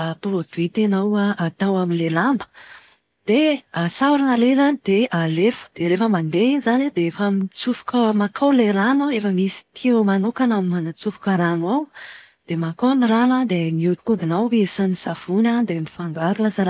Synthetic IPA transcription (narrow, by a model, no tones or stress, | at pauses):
apovod̪it̪enawaʔat̪awaminlelambə̥ | d̪̥easaɾanalezanid̪̥ealefə̥d̪̥eɾefəmanbeinizanid̪eefamit͡sufu̥kəmakʰawleɾanaefəmisi̥t̪ʰiamanokanamimanat͡sufu̥kaɾanaw | d̪̥emakaniranad̪emiuʈ͡ʂu̥kud̪inawesanisav̥unad̪emifaŋɡaɾulazaɾa